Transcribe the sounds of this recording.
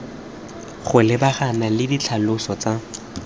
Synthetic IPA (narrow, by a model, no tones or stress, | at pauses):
χʊlɪbaχanalɪdit͡ɬʰalʊsɔt͡sa